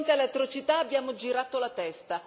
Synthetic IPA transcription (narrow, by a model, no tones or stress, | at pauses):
nt̪alet̪ːɾot͡ʃit̪aːbːjaːmod͡ʒiɾat̪olat̪ɛst̪a